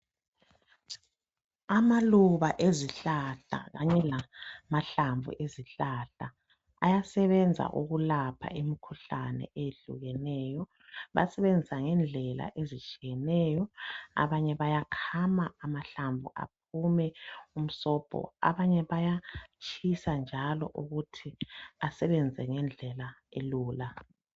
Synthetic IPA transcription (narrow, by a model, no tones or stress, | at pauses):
amaluβaʔeziɬaɬa̰ɣaɲɛlamaɬaɱvṵʔeziɬaɬa | a̰jasɛβɛnd͡zʱa̰ʔuɣulapʰa̰ʔemikʰuɬanɛ̰ʔeɮṵɣɛnɛːjɔ | βa̰sɛβend͡zʱisaŋɛnd͡ɮʱɛla̰ʔezit͡ʃʼijɛnɛːjɔa̰βaɲɛβajakʰamaːmaɬaɱvʱṵʔa̰p̚ʰumɛum̩sɔːb̥ʱɔ̰a̰βaɲɛβajat͡ʃʰʼisand͡ʒʱalɔ̰ʔuɣutʰiasɛβɛnd͡zʱɛŋɛnd͡ɮʱɛlaeluːla